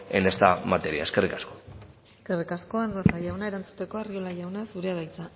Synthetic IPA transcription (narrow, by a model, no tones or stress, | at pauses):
ḛnest̪a̰mat̪e̞ɾia̰e̞ske̞rikaskoeske̞rikasko̞eŋɡasajawnae̞ɾant͡su̥t̪e̞ko̞ariolaʝawnasuɾe̞aðajt͡sa